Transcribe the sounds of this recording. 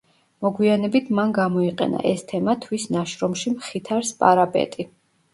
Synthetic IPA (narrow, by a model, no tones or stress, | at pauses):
mɔɡwianɛbit̪ʰmanɡamɔiqʼɛ̰na̰ʔɛst̪ʰɛmat̪ʰwisnaʃɾɔmʃimχit̪ʰaɾspʼaɾapʼɛ̰t̪ʼi